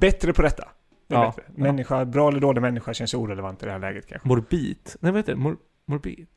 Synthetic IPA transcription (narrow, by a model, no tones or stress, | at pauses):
b̥ɛt̪ːɾəpʰɔd̪ɛt̪ʰːa̰ | et̪ɪmɛnːɪɧabɾɑːɛləɖ̪oːlɪɡamɛnːɪɧaʃɛnsuːɾɛlɛvant̪ɪd̪ɛhæːlɛ̰ːɡət̪̚kʰa̰nɧmʊɾbiːt̪nɛvahet̪ːd̪ɛmʊɾ | mɔɾbḭːt̪